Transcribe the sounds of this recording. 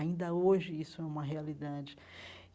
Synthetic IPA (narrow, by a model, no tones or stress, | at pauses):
ĩnd̪ɐoʒɪisʊɛũmɐɦealid̪ad͡ʒɪ